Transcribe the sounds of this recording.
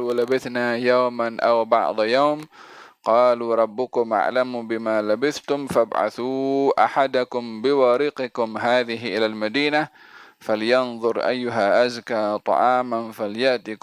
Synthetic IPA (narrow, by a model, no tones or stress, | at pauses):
labɪθnajawmanʔawbɑ̰ʕd̪ˤjawmqɑːluːɾˤɑbːʊkʊmʔa̰ʕlamuːbɪmaːlabɪθt̪ʊmfabʕa̰θuːʔa̰ħad̪akʊmbɪwɑːɾɪqɪkʊmɦaːðɪɦɪʔɪlalmad̪iːna | faljɑnðˤʊɾʔa̰jːʊɦaʔazkaːt̪ˤɑ̰ʕɑːmanfaljaʔt̪i